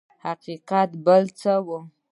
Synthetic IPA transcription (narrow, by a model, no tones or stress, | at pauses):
haqiqat̪bəlt͡səwə